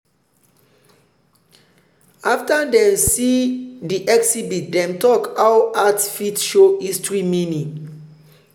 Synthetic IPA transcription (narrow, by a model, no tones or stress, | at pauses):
aftadɛ̃msidiʔɛksibit̚dɛ̃mtɔkawatfitʃoistɹiminĩ